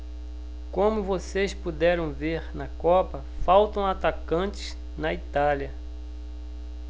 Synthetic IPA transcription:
kõmʊvosespud̪ɛɾɐ̃w̃veɾnɐkɔpɐ | fawt̪ɐ̃w̃at̪akɐ̃t͡ʃɪ̥z | nɐit̪aliɐ

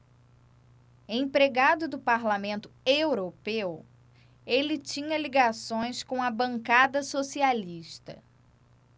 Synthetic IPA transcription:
ẽj̃pɾeɡad̪ʊd̪ʊpaɾlamẽnt̪ʊewɾopew | elɪt͡ʃĩɲɐliɡasõj̃skõɐbɐ̃ŋkad̪ɐsosialiʃt̪ɐ̰

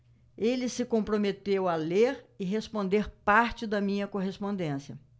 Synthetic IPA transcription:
elɪsɪkõpɾomet̪ewɐleɾɪɦespõnd̪eɾpaɾt͡ʃɪd̪ɐmĩɲɐkoɦespõnd̪ẽsiɐ

